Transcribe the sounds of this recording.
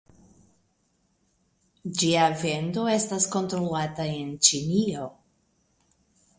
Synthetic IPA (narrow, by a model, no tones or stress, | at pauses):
d͡ʒiave̞ndo̞e̞stasko̞ntɾolataent͡ʃinio